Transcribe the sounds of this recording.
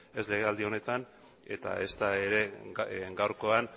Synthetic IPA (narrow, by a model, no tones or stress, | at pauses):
e̞sle̞ɣ̞e̞ald̪io̞ne̞t̪an | e̞̰t̪a̰e̞st̪aeɾe̞ɡawɾko̞an